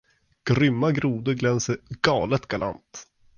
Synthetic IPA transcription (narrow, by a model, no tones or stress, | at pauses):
ɡ̥ɾʏmːaɡɾuːd̪əɡlɛnsəɡɑːlət̪ɡ̥ala̰nt̪